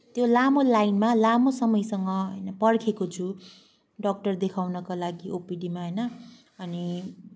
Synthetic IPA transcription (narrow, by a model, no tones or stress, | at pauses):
t̪jolamolajnmalamosʌmʌjsʌŋɡʌɦʌ̰jnʌpʌɽkʰekot͡sʰu | ɖʌk̚ʈʌrd̪ekʰawnʌkalaɡiʔopiɖimaɦʌjnʌ | ʌni